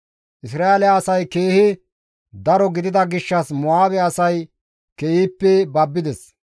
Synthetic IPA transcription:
ʔɪsɾaːelɪaːsɐjke̞ːhɪ | d̪ɐɾɔɡɪd̪ɪd̪ɐɡɪʃːɐsmɔaːbɛɐsɐj | keːhiːpːɛbɐbːɪd̪ɛs

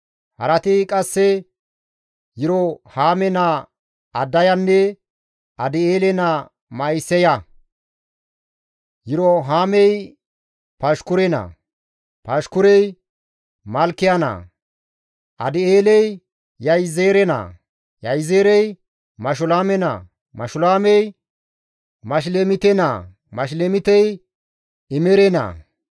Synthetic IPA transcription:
hɐ̰ɾɐt̪ɪkʼɐsːɛ | jɪɾɔhaːmɛna | ɐd̪ːɐjɐnːɛ | ɐd̪ɪeːlɛna | mɐjsːɛja | jɪɾɔɦaːmɛj | pɐʃkʊɾɛna̰ | pɐʃkʊɾɛj | mɐlkːɪjana̰ː | ʔɐ̰d̪ɪeːlɛj | jɐjzeːɾɛna̰ː | jɐjzeːɾɛj | mɐʃ̬ʊlaːmɛna̰ | mɐʃʊlaːmɛj | mɐʃ̬lemɪt̪ɛna̰ | mɐʃ̬lemɪt̪ɛj | ɪmɛɾɛna̰ː

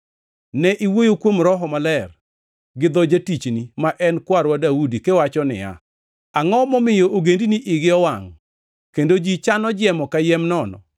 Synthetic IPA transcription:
nɛʔiwojokwomɾɔɦɔmalɛr | ɡɪd̪ɔd͡ʒatit͡ʃnimaʔɛnkwaɾwadaudikewat͡ʃɔnɪ̰ja̰ | aŋɔmɔmɪjoʔoɡendiniʔɪɡɪɔwaŋ | kendod͡ʒit͡ʃanɔd͡ʒɛmɔkajɛmnɔnɔ̰

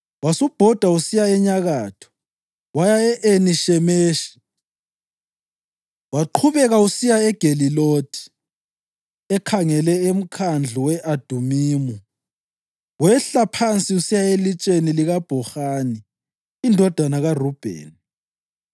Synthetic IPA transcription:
wasub̥ʱɔd̥ʱausijaɛɲaɣaːtʰɔ̥ | wajaɛʔeniʃɛmeːʃi̥ | waǃʰuβɛɣausijaɛɡ̥ʱelilod̥ʰʱi̥ | ɛkʰaŋɛlɛem̩kʰand͡ɮʱuwɛʔad̥ʱumiːmu | wɛɬapʰant͡sʼiusijaelit͡ʃʼeniliɣab̥ʱɔxaːniː | ndʱɔd̥ʱanaɣarub̥ʱḛːn

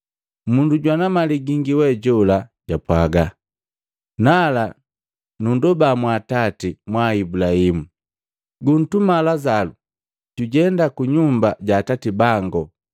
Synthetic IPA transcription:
munduɟwanamaliɡiŋɡiwɛɟɔlaɟapwaɡa | nala | nundɔbamwaːtatimwaibulahimu | ɡun̩tumalazalu | ɟ̥uɟɛndakuɲumbaɟaːtatibaŋɡɔ

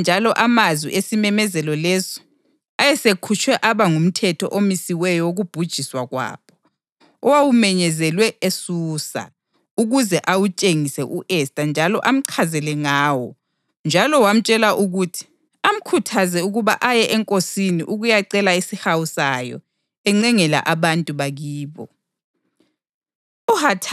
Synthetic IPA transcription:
nd͡ʒʱalɔʔamazwḭʔesimɛmɛzɛlɔlɛzɔ̥ | ajɛsekʰut͡ʃʼwɛʔaβaŋum̩tʰɛtʰɔ̰ʔomisiwɛjɔwoɣub̥ʱud̥ʒ̥ʱiswaɣwa̰ːpʰɔ̥ | ɔwawumɛɲɛzɛlwɛesuːsa̰ | uɣuzɛʔawut͡ʃʼeŋisɛʔuʔɛstʼand͡ʒʱalɔʔam̩ǀʰazɛlɛŋaːwɔ | nd͡ʒʱalɔwam̩t͡ʃʼɛlaʔuɣutʰi̥ | am̩kʰutʰazɛuɣuβaʔajɛʔɛŋkʼosiniʔuɣujaǀɛlaisihawusajɔ̰ | ɛŋ͡ǀɛŋɛla̰ʔaβantʼuβaɣiːβɔ̰ | uhatʰ

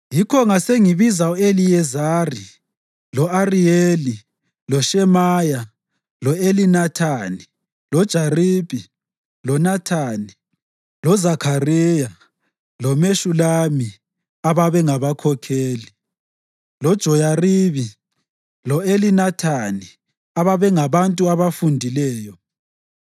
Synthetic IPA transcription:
jikʰɔŋaseŋiβizauelijɛzaːri | lɔarijeːli | lɔʃɛmaːja | lɔelinatʰaːni | lɔd̥ʒ̥ʱariːbʱʼi | lɔnatʰaːni | lɔzakʰarija | lɔmeʃulami | aβaβɛŋaβakʰɔkʰeːli | lɔd̥ʒ̥ʱɔjariβi | lɔelinatʰani | aβaβɛŋaβantʼuaβafundʱilɛːjɔ

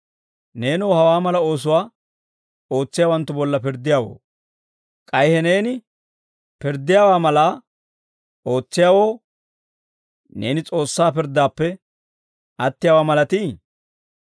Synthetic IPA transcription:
ne̞ːnowːhɐwaːmɐlɐo̞ːs̬ʊwaː | o̞ːt͡sːɪjaːwɐnt̪ːʊbɔlːɐpɪɾd̪ːɪjaːwo̰ː | kʼɐjhɛne̞ːnɪ | pɪɾd̪ɪjaːwaːmɐlaː | o̞ːt͡sːɪjaːwoː | ne̞̰ːnɪt͡sʼo̞ːsːaːpɪɾd̪aːpːɛ | ʔɐt̪ːɪjaːwaːmɐlɐt̪iː

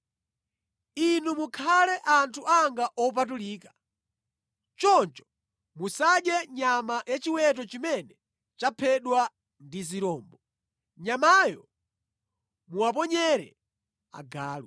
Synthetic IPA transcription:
inumukʰalɛʔantʰuʔaŋɡaʔɔp̬at̬uliːkḁ | t͡ʃɔnt͡ʃɔ̥ | musaɗjɛɲamajat͡ʃiwɛt̬ɔt͡ʃimɛnɛ | t͡ʃapʰɛɗwa | ndiziɾɔːmbɔ | ɲamajɔ | muwap̬ɔɲɛɾɛ̰ | a̰ɡaːlw

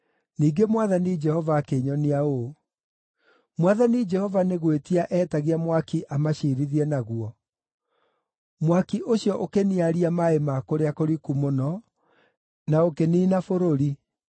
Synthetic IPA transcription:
niːɡemwaðanid͡ʒɛhɔvaːkeɲɔneao | mwaðanid͡ʒɛhɔvaneɣwetiaʔɛtaɣiamwakiʔamaɕiɾiðiɛnaɣuɔ | mwakiʔoɕjɔʔokeniaɾiamaemakoɾeakoɾikumonɔ | naokeniːnafoɾoɾi

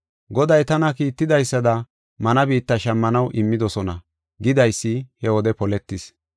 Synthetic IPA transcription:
ɡɔd̪ɐjt̪ɐnɐkiːt̪ːɪd̪ɐjsːɐd̪ɐ | mɐnɐbiːt̪ːɐʃɐmːɐnɐwʔɪmːɪd̪ɔsɔnɐ | ɡɪd̪ɐjsːɪhɛwɔd̪ɛpɔlɛt̪ːɪs

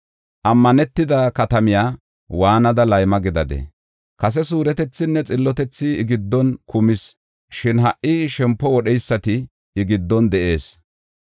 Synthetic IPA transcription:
ʔɐmːɐnɛt̪ːɪd̪ɐkɐt̪ɐmɪjaː | waːnɐd̪ɐlɐjmɐɡɪd̪ɐd̪ɛ̰ | kɐs̬ɛsuːɾɛt̪ɛt͡sːɪnːɛt͡sʼɪlːɔt̪ɛt͡sːɪːɡɪd̪ːɔnkʊmɪs | ʃɪnɦɐʔʔːɪʃɛmpːɔwɔɗɛjsːɐt̪ɪː | ɡɪd̪ːɔnd̪ɛʔe̞ːs

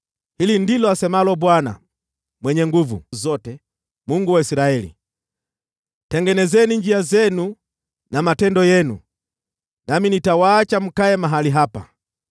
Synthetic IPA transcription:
hilindilɔasɛmalɔbwana̰ | mwɛɲɛŋɡuvṵzɔtɛ | muŋɡuwaisiɾaɛlḭ | tɛŋɡɛnɛzɛniɲd͡ʒiazɛnu | namatɛndɔjɛnṵ | naminitawaːt͡ʃam̩kaɛmaɦaliɦapa̰

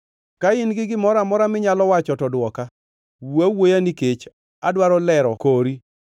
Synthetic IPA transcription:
kaɪnɡɪɡɪmɔɾamɔɾamɪɲalɔwat͡ʃɔtɔdwɔka | wawojaniket͡ʃ | adwaɾɔlɛɾɔkoɾi

